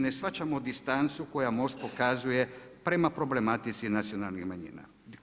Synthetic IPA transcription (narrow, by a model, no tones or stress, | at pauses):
nesʋat͡ʃamod̪ist̪ant̪suko̞jamo̞st̪̚po̞kazuje̞pɾe̞mapɾo̞ble̞mat̪it̪sinat̪sijo̞nalnixmaɲḭːna̰